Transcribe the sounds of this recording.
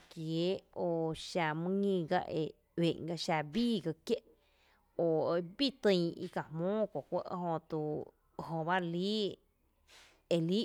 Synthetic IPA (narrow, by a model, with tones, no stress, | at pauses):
kje˨˦o˧ʃa˧mɨ̃˦ŋĩ˧ɡa̰˦ʔḛ˧˨ | ɥẽ˨ŋɡa˧ʃa˧biː˦˨ɡa˧kje˦ʔ | o˨˧bi˦t̪ɨ̃˧˨ḭ˧ka˨hmõː˦ko˨kʷə̰˧˦ʔɦõ˧t̪u˧ | ɦõ˧ba˦liː˦ | e˧li˦